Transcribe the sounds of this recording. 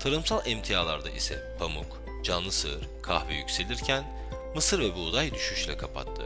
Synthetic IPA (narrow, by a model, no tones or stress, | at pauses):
t̪ʰaɾɯmsalˠɛmt̪ʰijaːlˠaɾd̪a̰ʔisɛ̰pʰamuk | d͡ʒanlˠɯsɯ̰ɾ̥kʰahvijycʲse̞lʲiɾcʰæn | mɯsɯɾvɛbuːd̪ajd̪yʃyʃlʲɛkʰapʰa̰t̪ʰːɯ